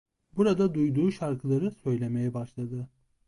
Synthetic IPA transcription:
buɾad̪ad̪ujd̪uːʃaɾkʰɯlˠaɾɯsø̞jlʲe̞me̞jɛbaʃlˠad̪ɯ

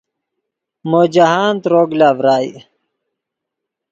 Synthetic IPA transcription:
moːd͡ʑaɦaːnt̪ɾoːɡlaːʋɾaːj̰

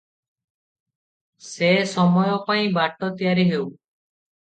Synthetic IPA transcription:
sesɔmɔjɔpaĩbaʈɔt̪ijaɾiɦew

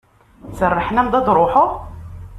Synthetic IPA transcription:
t͡sərˤːəħnæmd̪ɑd̪ˤɾˤʊħʊʁ

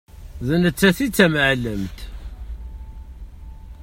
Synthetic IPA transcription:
ðənət͡sːæθit͡sːæməʕlːəmt̪

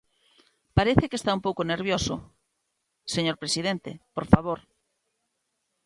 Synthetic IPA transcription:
paɾeθekest̪aũmpowkoneɾβ̞joso | seɲoɾpɾesið̞ent̪ḛpoɾfaβ̞oɾ

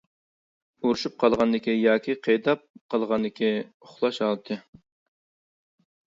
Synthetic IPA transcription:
uɾuʃup̚qʰɑlˠʁɑnd̪ɪkʲijɑːkʲʰiqʰejd̪ɑp̚qəlˠʁɑnd̪ɪkʲʰi | oχlˠɑʃɑlˠt̪ʰɨ

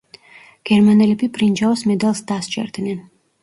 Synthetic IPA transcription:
ɡ̥ɛɾmanɛlɛbipʼɾind͡ʒaɔsmɛd̪alˠsd̪ast͡ʃʼɛ̰ɾd̪nɛn

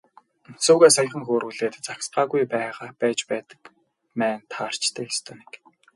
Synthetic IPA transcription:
suːɣaːsaj̆χə̆ŋxoːɾɣuːɮeːt̪t͡saksɢaːɣujpæːʁaːpæːt͡ɕpæːt̪ə̥̆k | mæːnt̪ʰaːr̥t͡ɕt̪ʰeːxest̪ʰoːne̥k

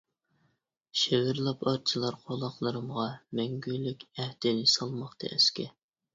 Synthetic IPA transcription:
ʃewɪɾlˠɑpɑɾt͡ʃʰilˠɑɾqʰolˠɑχlˠɨɾɨmʁɑmɛŋɡʲylykʲæhd̪̥ɪnɪsɑlˠmɑχt̪ʰɨ̰ʔɛ̰skʲɛ

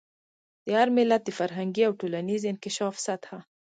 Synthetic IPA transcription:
d̪̥əhaɾmɪlat̪̚d̪əfaɾɦaŋɡiawʈolanizɪnkɪʃɑfsat̪ha

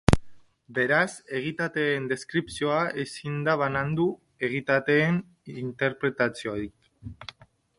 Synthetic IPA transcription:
be̞ɾase̞ɣ̞it̪at̪e̞ːnd̪e̞skɾipsio̞aʔesind̪aβanand̪u | e̞ɣ̞it̪at̪e̞ːn | int̪e̞ɾpɾe̞t̪at͡sioɾik

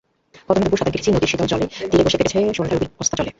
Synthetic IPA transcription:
kɔt̪onad̪buʃad̪ʰʱaɡkiɾʰit͡ɕʰinod̪iɾʃit̪ɔnt͡ɕɔled̪ieboʃebeɾet͡ɕʰoeʃoned̪ʰʱaɾubiost̪at͡ɕɔle

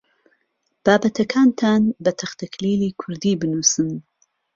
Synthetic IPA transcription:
b̥aːbɐt̪ʰɐkʰaːnt̪ʰaːnbɐt̪ʰɐχt̪ʰɐkʰliːliːkʰʊɾd̪iːbɨnuːsɨm

